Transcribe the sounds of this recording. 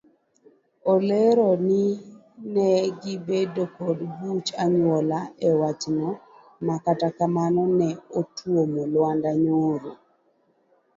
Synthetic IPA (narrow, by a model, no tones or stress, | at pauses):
oleɾɔni | nɛɡɪbedokodbut͡ʃaɲwɔlaɛwat͡ʃnɔ | makatakamanɔnɛotwomolwandaɲoɾo